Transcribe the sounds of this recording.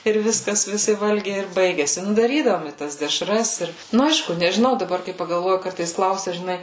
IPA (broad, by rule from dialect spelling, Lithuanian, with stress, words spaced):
ɪr ˈʋʲɪskɐs ʋʲɪˈsʲɪ ˈʋɐlʲɡʲɛɪ ɪr ˈbɐɪɡʲɛsʲɪ ˈnʊ dɐˈrʲiːdɐʋoːm ɪ ˈtɐs dʲɛˈʃrɐs ˈɪr ˈnʊ ˈɐɪʃkʊ nʲɛʒʲɪˈnɐʊ dɐˈbɐr kɐɪ pɐɡɐlˠˈʋoːjʊ ˈkɐrtɐɪs ˈklˠɐʊsʲɛ ʒʲɪˈnɐɪ